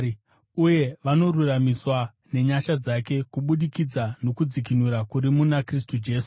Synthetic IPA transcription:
uje̞ʋano̞ruramiswa | ne̞ɲaʃad͡zake̞kuɓuɗikid͡zano̞kud͡zikinuɾakuɾimunakris̬tud͡ʒe̞ːsu̥

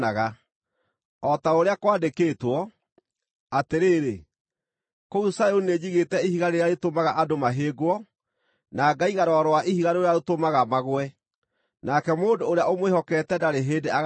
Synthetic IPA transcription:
aɣa | ɔtaoɾeakwaːdekeːtwɔ | ateɾeːɾe | kousajoned͡ʑiɣetɛihiɣaɾeɾeaɾetomaɣaʔadomaɦeːɡoɔ | naːɡaiɣaɾɔɾɔwaʔihiɣaɾeoeaotomaɣamaɣwɛ | nakɛmoːndoːɾeaomwehɔkɛtɛdaɾeɦeːdea

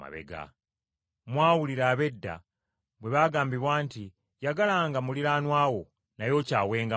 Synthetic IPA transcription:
a̰βḛɡa̰ | mwaːwuliɾaːβe̞dːa̰ | βwe̞βaːɡaːmbiβwaːnti | jaɡalaːŋɡamuliɾaːnwaːwo̞ | najo̞caːwe̞ːŋɡa

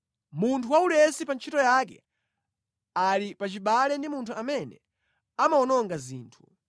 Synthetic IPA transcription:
muntʰuwaulɛsipant͡ʃʰitɔjakɛ̰ | alipat͡ʃiɓalɛndimuntʰuamɛnɛ̰ | amaɔnɔŋɡazḭːntʰu

